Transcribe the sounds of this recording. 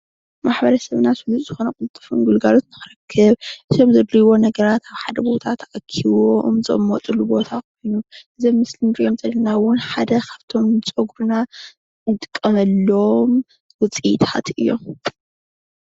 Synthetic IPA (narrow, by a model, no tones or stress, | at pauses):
maħbɐɾɐsɐβnasɨlut̪ʼzɨxo̞nɐkɨlɨt̪ʼːɨ̥funɡulɡalo̞t̪nɨxɨɾɐkʰːɨβʔɨt̪omzɐd̪ɾiβo̞nɐɡɐɾat̪aβħad̪ɐbo̞t̪ʰat̪ʔakʰiβomzɨ̰mːot̪ʼulubo̞t̪ʰakʰo̞jnuʔɨzɐmːɨslind̪omzɐlɐnawʊnħad̪ɐkʰaβt̪ʰo̞mt͡sʼoɡɾuna | nɨt̪ʼɨ̥kʼːɐmɐlːɐom | wʊt͡sʼit̪ʰat̪ɨjːo̞̰m